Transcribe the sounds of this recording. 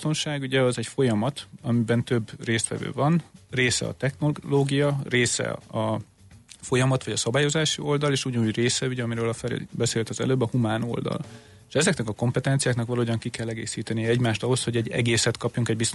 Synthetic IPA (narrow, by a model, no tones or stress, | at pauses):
t̪o̞nʃaːɡuɟɛɒzɛɟfo̞jɒmɒt̪ɒmibɛnt̪ø̞breːst̪ʋɛ̰vø̰ːvɒnreːsɛ̰ɒ̰t̪ɛxnoloːɡijɒreːsɛ̰ɒ | fo̞jɒmɒt̪ʋɒɟɒsɒbaːjo̞zaːʃio̞ld̪ɒleːʃuɟɒnuːɟreːsɛuɟɛɒmiɾøːlɒfɛɾḛbɛseːlt̪ɒzɛ̰løːbːɒhumaːno̞̰ld̪ɒ̰l | eʃɛzɛknɛkɒko̞mpɛt̪ɛnt̪sijaːknɒkʋɒloːdɒŋkikɛlːɛɡḛːsiːt̪ɛnijɛɛɟmaːʃt̪ɒɦo̞sho̞ɟɛɟːɛ̰ɡeːsɛt̪kɒpjuŋkɛɟbist̪